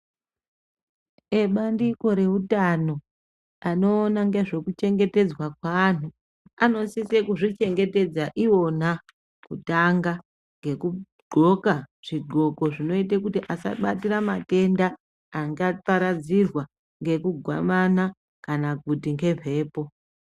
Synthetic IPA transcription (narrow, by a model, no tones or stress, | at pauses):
eɓandiko̞ɾe̞utano̞ | ano̞ːnaŋɡe̞ʐo̞kut͡ʃe̞ŋɡe̞te̞d͡zwakwaːn̤u | ano̞sise̞kuʐit͡ʃe̞ŋɡe̞te̞d͡zaʔiwo̞n̤a | kutaŋɡa | ŋɡe̞ku | ɡ͡ǃʱo̞kaʐ̥iɡ͡ǃʱo̞ko̞ʐino̞it̬ekutiʔasa̰ɓatiɾamate̞ndaː | ŋɡapaɾad͡zirwa | ŋɡe̞kuɡʱwa̰mana | kanak̚utiŋɡe̞vʱe̞ːpo̞